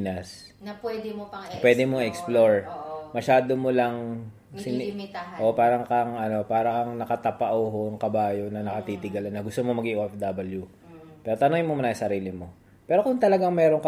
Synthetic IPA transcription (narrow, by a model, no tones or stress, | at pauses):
nɐs | nɐpwɛd̪ɪmoɐpwɛd̪ɛmoŋɛksploɹmɐʃaːd̪omolɐŋ | sɪnɪt̪ʔo̞paːɾɐŋkɐŋʔɐno̞paːɾɐkɐŋnɐkɐt̪ɐpɐʔoɦoɐŋkɐbaːjo̞nɐnɐkɐt̪iːt̪ɪɡɐlɐnːɐɡʊst̪omomɐɡiʔoʔɛfd̪ɐbɐlju | pɛːɾot̪ɐnoŋɪnmomɐnaːjsɐɾiːlɪmo̞ | pɛːɾo̞kʊŋt̪ɐlɐɡaŋmɛːɾo̞ŋkɐ